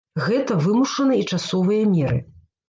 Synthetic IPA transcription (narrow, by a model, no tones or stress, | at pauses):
ɣɛt̪ɐvɨmuʂɐnɐit͡ʂasɔvɨjɐmʲɛɾɨ̰